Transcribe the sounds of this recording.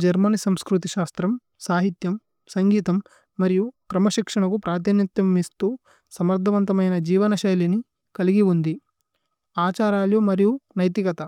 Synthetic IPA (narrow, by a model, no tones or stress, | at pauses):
d͡ʒɐɾmɐnisɐmskɾut̪iʃaːst̪ɾɐm | saːɦit̪jɐm | sɐŋɡiːt̪ɐmː | ɐɾijukɾɐmɐʃikʂɐɳɐkupɾaːt̪ʰinɐt̪jɐmist̪uː | sɐmɐɾd̪ʱɐʋɐnt̪ɐmɐjnɐd͡ʒiːʋɐnɐʃɐjlini | kɐliɡiund̪i | aːt͡ʃaːɾaːljumɐɾijunɐjt̪ikɐt̪ɐ